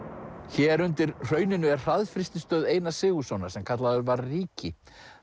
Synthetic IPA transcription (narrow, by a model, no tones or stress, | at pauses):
çɛɾʏnt̪ɪɾ̥r̥œːɥnɪnʏɛrr̥aðfɾɪst̪ɪst̪œːðeːjnasɪːɣusɔwnḁsɛmkʰat̪laðʏɾvaɾːiːcɪ